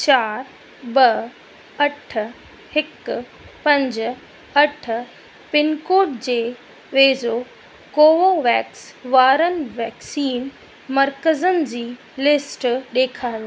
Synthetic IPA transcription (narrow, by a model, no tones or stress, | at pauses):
t͡ɕaːɾ | bɐ | ɐʈʰ | hɪk | pɐ̃ɲd͡ʑ̆ | ɐʈʰ | pɪnkoːʈd͡ʑeː | ʋeːzo | koːʋoʋɛːksʋaːɾənʋɛːksiːn | mɐɾkəzənɪ̆d͡ʑiː | lɪsʈɗeːkʰaːo